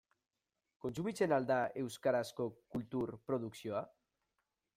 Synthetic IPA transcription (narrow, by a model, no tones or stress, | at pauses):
konsumit͡ʃenald̪aewskaɾaskokult̪uɾpɾoðuksjoa